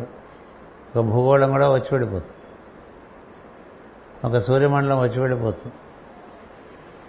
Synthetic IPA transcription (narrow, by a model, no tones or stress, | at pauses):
okːɐbʱuːkoːɭɐŋɡuɽɐʋɐt͡ɕːupeɽipoːt̪u̥ | ɔkːɐsuːɾjɐmɐɳɖɐlɐmʋɐt͡ɕːupeɽipoːt̪u